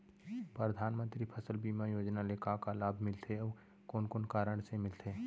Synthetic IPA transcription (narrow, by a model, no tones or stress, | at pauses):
pɾəd̪ʱaːnmə̃nt̪ɾipʰəsəlbiːmajoːd͡ʒnaleːkakalaːbʱmɪlt̪ʰeɔːɾ | koːnkoːnkaːɾəɽ̃semɪlt̪ʰeː